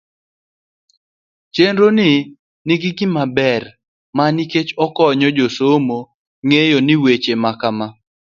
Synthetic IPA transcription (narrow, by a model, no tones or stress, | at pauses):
t͡ʃenɾonɪ | nɪɡɪɡɪmabɛr | maniket͡ʃɔkɔɲɔd͡ʒosomo | ŋejonɪwet͡ʃemakama